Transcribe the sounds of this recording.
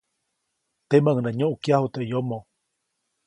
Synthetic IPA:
t̪emaŋɨnãɲõʔukjahut̪eʔjomõ

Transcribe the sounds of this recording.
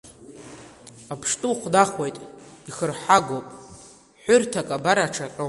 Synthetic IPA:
apʰʂtʼuχʷdaχwejtʼiχərħaɡowpʼ | ħʷʊrtʰakʼabaɾaʈ͡ʂʰaqʲʼo

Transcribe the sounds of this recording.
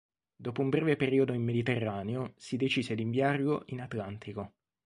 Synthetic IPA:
d̪oːpoumbɾɛːvepeɾiːod̪oimːed̪it̪erːaːneosid̪et͡ʃiːzed̪iɱviarloʔinat̪lant̪ʰiko

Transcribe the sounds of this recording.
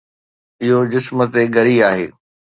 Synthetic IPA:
ɪɦod͡ʑɪsmə̆t̪eɡɐɾiaːɦḛː

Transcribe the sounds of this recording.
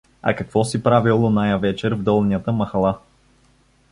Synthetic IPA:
ɐ̰kɐkvɔsipɾavilˠonajəvɛt͡ʃɛɾvd̪ɔlˠniət̪əmɐxlˠa

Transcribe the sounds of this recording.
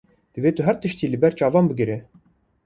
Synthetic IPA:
d̪̥ɨveːt̪ʊɦæɾt̪ɨʃt̪iːlɨbɛɾt͡ʃɑːvɑːnbɨɡɨɾe

